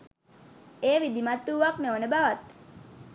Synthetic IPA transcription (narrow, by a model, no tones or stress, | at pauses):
eːʋid̪imat̪ːuːʋakneʋonəbaʋat̪